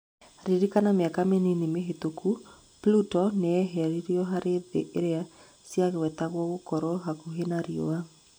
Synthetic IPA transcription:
ɾiɾikanameakameninemeɦetokʰu | plutɔneɛɦɛɾiɾiɔɦaɾeðeʔeɾea | siaɣewɛtaɣwɔɣokɔɾɔɦakuɦenaɾiɔ̰a

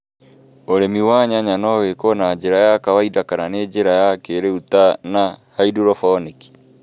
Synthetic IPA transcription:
oɾemiwaɲaɲanɔwekɔnad͡ʒeɾajakawaidakananed͡ʒeɾajakeɾeutanahaiduɾɔfɔniki̥

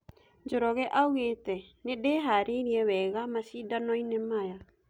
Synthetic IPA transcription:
d͡ʒoɾɔɣɛʔauɣetɛnedeɦaɾeɾiɛwɛɣamasidanɔinɛmaja

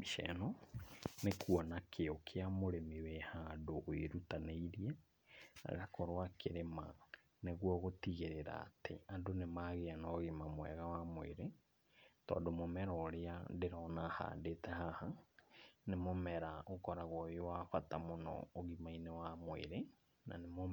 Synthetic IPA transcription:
miʃɛ̰nɔ | nekuɔnakʰeokʰeamoɾemiwɛhadoʔːeɾutaneiɾiɛ | na̰ɣakɔɾowakʰeɾema | neɣwɔɣotiɣeɾeɾa̰ːtḛadonemaɣeanɔːɣimamwɛ̰ɣawamwḛɾe | tɔ̰ːndomomɛɾɔɾeadeɾɔnaha̰detɛhaha | nemomɛɾaokɔɾaɣwɔjowafatamonɔ̰ːɣimainewamoḛɾe | na̰nemo

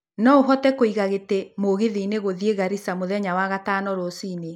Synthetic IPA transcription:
nɔoɦɔtɛkoiɣaɣetemoɣeðiːneɣoðieɣaɾisamoðɛɲawaɣatanɔɾɔsiːne

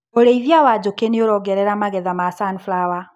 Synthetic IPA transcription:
oɾeivjawad͡ʑokeneoɾɔɡɛɾɛɾamaɣɛðamasanflawa

